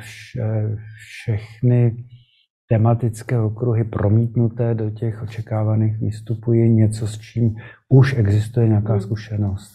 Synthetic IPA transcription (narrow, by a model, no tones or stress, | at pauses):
fʃɛfʃɛxnɪ | t̪ɛmat̪ɪt͡skɛːokɾuɦɪpɾʔo̞miːt̪nut̪ɛːdo̞cɛxʔo̞t͡ʃɛkaːvaniːxvɪ̰st̪upujɪɲɛt͡so̞st͡ʃiːmuʃɛɡzɪst̪ujɛɲɛakaːskuʃɛno̞st̪